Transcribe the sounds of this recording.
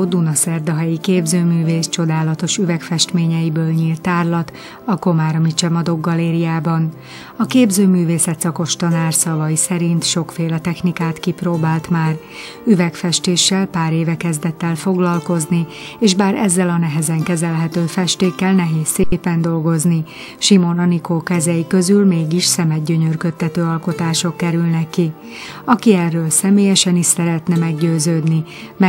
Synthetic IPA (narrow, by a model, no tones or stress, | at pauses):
d̪unɒsɛrd̪ɒɦɛjikeːbzøːmyːveːst͡ʃo̞d̪aːlɒt̪o̞ʃyvɛkfɛʃt̪meːɲɛjibøːlɲiːlt̪ːaːrlɒt̪ | ɒko̞maːɾmit͡ʃɛmɒd̪o̞ɡːɒleːɾijaːbɒn | ɒkeːbzøːmyːveːsɛt̪sɒko̞ʃt̪ɒnaːrsɒvɒjisɛɾint̪ʃo̞kfeːlɛt̪ɛxnikaːt̪kiproːbaːlt̪maːr | yvɛkfɛʃt̪eːʃːɛlpaːɾeːvɛkɛzd̪ɛt̪ːɛlfo̞ɡlɒlko̞znieːʒbaːɾɛ̰zːɛlɒnɛɦɛzɛŋkɛzɛlɦɛt̪øːfɛʃt̪eːkːɛlnɛɦeːsːeːpɛnd̪o̞lɡo̞zni | ʃimo̞nɒnikoːkɛzɛjikø̞zylmeːɡiʃsɛmɛɟɟøɲørkø̞t̪ʰːɛt̪øːɒlko̞t̪aːʃo̞kːɛɾylnɛkːi | ɒkiɛrːøːlsɛmeːjɛʃɛniʃsɛɾɛt̪nɛmɛɡɟøːzøːd̪ni | mɛ